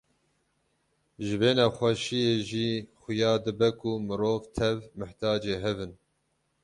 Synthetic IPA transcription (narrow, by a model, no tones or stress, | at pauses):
ʒɨveːnɑːxʷɛʃijeːʒiːxʊjɑːd̪ɨbɛkʊmɨɾoːvt̪ʰɛvmɨht̪ʰɑːd͡ʒeːɦɛvɨn